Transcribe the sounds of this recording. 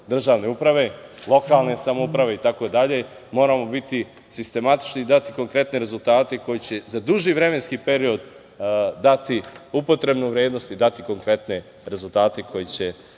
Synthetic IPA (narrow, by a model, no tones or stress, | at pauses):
d̪r̩ʒaːʋne̞upɾaʋe̞lˠo̞kaːlˠne̞samoupɾaʋe̞it̪ako̞id̪aʎe̞ | mo̞ːɾamo̞bit̪i | sist̪e̞mat̪i̥t͡ʃnid̪at̪iko̞ŋkɾe̞t̪ne̞ɾe̞zulˠt̪aːt̪e̞ko̞jit͡ɕe̞zad̪uʒiʋɾe̞me̞nskipe̞ɾio̞d̪ | d̪at̪iupo̞t̪ɾe̞bnuʋɾjeːd̪no̞st̪id̪at̪iko̞ŋkɾe̞t̪ne̞ | ɾe̞zulˠt̪aːt̪e̞kʰo̞jet͡ɕe̞